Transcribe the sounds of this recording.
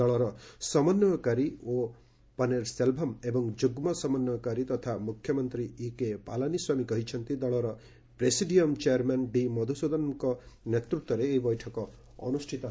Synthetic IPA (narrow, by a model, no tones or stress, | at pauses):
d̪ɔɭɔɾɔsɔmɔnjɔkaɾio | paneɾselbʱɔmebɔŋd͡ʒuɡmɔsɔmɔnjɔkaɾit̪ɔt̪ʰamukʰjɔmɔnt̪ɾiikepalaniswamikɔɦit͡ʃʰɔnt̪id̪ɔɭɔɾɔ | pɾesiɖiɔmt͡ʃeaɾmanɖimɔd̪ʱusod̪ɔnkɔnet̪ɾut̪wɔɾeːibɔjʈʰɔkɔ | ɔ̰nusʈʰit̪ɔ